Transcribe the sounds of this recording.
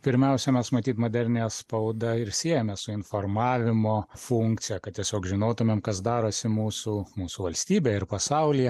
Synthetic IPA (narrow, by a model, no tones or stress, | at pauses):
pʲɪɾʲmʲɛʊsʲɛmʲɛsmɐt̪ʲiːt̪moːd̪ʲɛɾʲnʲejɛspɐʊd̪ɐɪɾsʲiɛjɛmʲɛssʊɪnfoːrmɑːʋʲɪmoːfuŋkt̪sʲɪjɛkɐt̪t̪ʲiɛsʲoːkʒʲɪnoːt̪ʊmʲemkɐsd̪ɑːɾoːsʲɪmuːsumuːsuʋɐlʲsʲt̪ʲiːbʲeːɪrpɐsɐʊlʲɪjɛ